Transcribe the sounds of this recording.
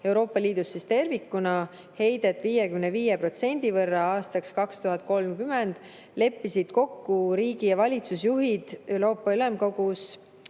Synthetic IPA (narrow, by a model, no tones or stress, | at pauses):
e̞wɾo̞ːpːˑɑliːd̪̥usːist̪e̞rvikːunɑ | he̞jd̪e̞t̪ːˑviːjekymneviːjepro̞t̪se̞nʲd̪̥ivɤrːɑɑːst̪ɑkskɑkst̪uɦɑt̪̚ːˑko̞lmkymend̪̥ | le̞pːisid̪̥ko̞kːuɾiːɡ̥ijɑvɑlʲit̪susjuɦid̪̥e̞wɾo̞ːpːɑyle̞mko̞ɡus